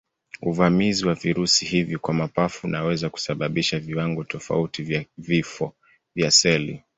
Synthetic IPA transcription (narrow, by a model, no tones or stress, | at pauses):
uvamiziwaviɾusihivjɔkwamapafunʔawɛzaku̥saɓaɓiʃaviwaŋɡɔtɔfa̰utivvifɔ | vjasɛlḭ